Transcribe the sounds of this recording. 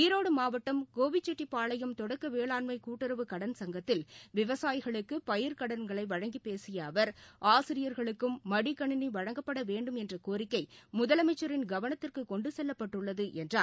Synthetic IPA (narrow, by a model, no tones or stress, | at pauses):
iɾoːɽɯmaːʋɐʈːɐmkoːʋɪt͡ʃːɛʈːipaːɭɐjɐmt̪ɔɽɐkːɐʋeːɭaːnmɐɪkuːʈːɪɾɐʋɯkɐɽɐnsɐŋɡɐt̪ːɪlʋɪʋɐsaːjɣɐɭɯkːɯpɐjɪɾkɐɽɐɾɡɐɭɐɪʋɐɻɐŋɡipeːsɪjɐːʋɐɾaːsɪɾɪjɐɾɣɐɭɯkːɯmːɐɽikɐɳɪniʋɐɻɐŋɡɐpːɐɽɐʋeːɳɖɯmɛndrɐkoːɾɪkːɐɪmʊðɐlɐmɐɪt͡ʃːɐɾɪnɡɐʋɐnɐt̪ːɪrkɯkɔɳɖɯsɛlːɐpːɐʈːɯɭːɐðɯʔɛndraːn